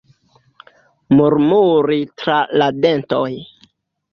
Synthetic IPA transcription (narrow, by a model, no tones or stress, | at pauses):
muɾmuɾitɾalade̞ntoj